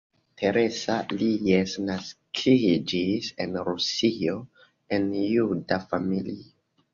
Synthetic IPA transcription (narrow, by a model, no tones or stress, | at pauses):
tʰe̞ɾe̞salijesnaskʰid͡ʒisenɾusio | enjudafamili